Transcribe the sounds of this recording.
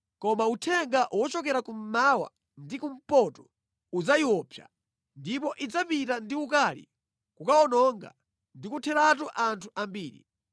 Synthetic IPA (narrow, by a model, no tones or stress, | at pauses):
kɔmautʰɛŋɡaʔwɔt͡ʃɔk̬ɛɾakum̩mawa̰ | ndikum̩pɔtɔ̥ | ud͡zaiwɔpʰja̰ | ndipɔʔid͡zapitandiukalḭ | kukaɔnɔŋɡa̰ | ndikutʰɛɾat̬uʔantʰuʔambiːɾḭ